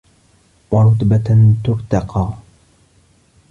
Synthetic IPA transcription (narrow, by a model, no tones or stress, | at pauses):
wɑɾˤʊt̪bat̪ʊɾt̪ɑqɑː